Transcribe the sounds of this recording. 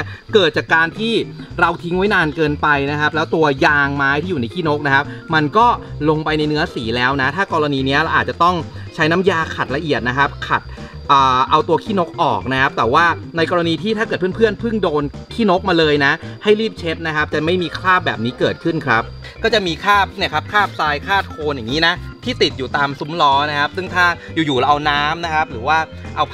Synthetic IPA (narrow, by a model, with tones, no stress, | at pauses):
kɤː˨˩t̪̚t͡ɕaː˨˩kːaː˧nt̪ʰiː˥˩ɾa˧wt̪ʰi˦˥ŋwjnaː˧nkɤː˧npa˧jna˦˥kʰa˦˥p̚lɛː˦˥wt̪u˧ɐjaː˧ŋmaː˦˥jt̪ʰiː˥˩juː˨˩na˧jkʰiː˥˩no˦˥k̚na˦˥kʰa˦˥p̚ma˧nkɔː˥˩lo˧ŋpa˧jna˧jnɯ˦˥ɐsiː˩˦lɛː˦˥wna˦˥t̪ʰaː˥˩kɔː˧ɾa˧niː˧ni˦˥ɐɾa˧wʔaː˨˩t̪̚t͡ɕa˨˩t̪ɔ˥˩ŋt͡ɕʰa˦˥jna˦˥mjaː˧kʰa˨˩t̪̚la˧ʔi˨˩ət̪̚na˦˥kʰa˦˥p̚kʰa˨˩t̪̚ | ʔɤː˨˩ʔa˧wt̪u˧ɐkʰiː˥˩no˦˥k̚ʔɔ̰ː˨˩k̚na˦˥kʰa˦˥p̚t̪ɛː˨˩waː˥˩na˧jkɔː˧ɾa˧niː˧t̪ʰiː˥˩t̪ʰaː˥˩kɤː˨˩t̪̚ʰɯ˥ə˨mpʰɯ˥˩ənpʰɯ˥˩ŋdoː˧nkʰiː˥˩no˦˥k̚maː˧lɤː˧jna˦˥ha˥˩jɾiː˥˩p̚t͡ɕʰe˦˥p̪̚na˦˥kʰa˦˥p̚t͡ɕa˨˩ma˥˩jmiː˧kʰlaː˥˩p̚bɛː˨˩p̚niː˦˥kɤː˨˩t̪̚kʰɯ˥˩nkʰɾa˦˥p̚ | kɔː˥˩t͡ɕa˨˩miː˧kʰaː˥˩p̚ni˥˩ɐkʰa˦˥p̚kʰaː˥˩p̚saː˧jkʰaː˥˩t̪̚kʰoː˧nja˨˩ŋːiː˦˥na˦˥t̪ʰiː˥˩t̪i˨˩t̪̚juː˨˩t̪aː˧msu˦˥mlɔː˦˥na˦˥kʰa˦˥p̚sɯ˥˩ŋt̪ʰaː˥˩juː˨˩juː˨˩la˧ʔa˧wnaː˦˥mna˦˥kʰa˦˥p̚ɾɯː˩˦waː˥˩ | ʔa˧w